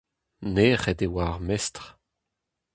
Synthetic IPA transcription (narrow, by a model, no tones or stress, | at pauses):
neːʁɛdewaːʁmɛstʁ